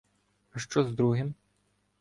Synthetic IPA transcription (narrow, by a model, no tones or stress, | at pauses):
aʃt͡ʃɔzd̪ɾuɦɪm